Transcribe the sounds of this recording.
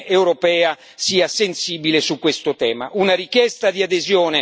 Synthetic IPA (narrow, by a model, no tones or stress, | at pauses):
ewɾopɛːa | siːasensiːbilesukːwest̪ot̪ɛːma̰ʔunaɾikjɛst̪ad̪iad̪ezjoːne